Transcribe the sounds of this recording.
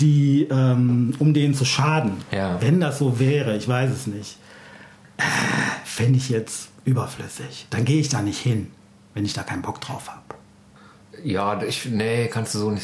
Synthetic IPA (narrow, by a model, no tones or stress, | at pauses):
d̥iːʔɛːmʔʊmdeːnənt͡suʃaːdn̩javɛndasz̥oːvɛːʁəɪçv̥aɪs̬ɛsnɪçt | ʔɛfɪndəɪçjɛt͡stʔyːbɐflʏ̰sɪçd̥anɡeːəɪçd̥aːnɪçthɪn | vɛnɪçd̥aːkʰaɪnb̥ɔkd̥ʁa̰ʊfhaːbə | jaːɪçnəkʰanstd̥uːzoːnɪç